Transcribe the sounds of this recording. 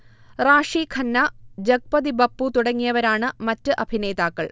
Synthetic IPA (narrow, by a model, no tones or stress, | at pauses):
raːʂikʰɐnːɐd͡ʑɐk̚pɐd̪ibɐpːut̪uɽɐŋːijɐʋɐɾaːɳɨmɐtːɨʔɐbʱine̞ːðaːkːɐɭ